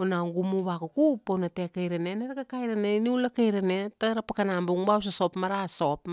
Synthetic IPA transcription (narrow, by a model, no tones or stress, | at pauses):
onawŋɡumuβakukuponatekejɾeneneɾakakajɾaneniulakejɾanetaɾapakanambuŋbaws̬aso̞pmaɾaso̞p